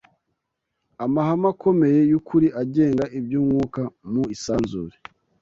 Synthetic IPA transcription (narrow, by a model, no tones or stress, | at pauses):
amahamakʰo̞me̞je̞jukʰuɾiʔaɟe̞ːŋɡaʔibjuːŋuːkamuisaːnzuɾe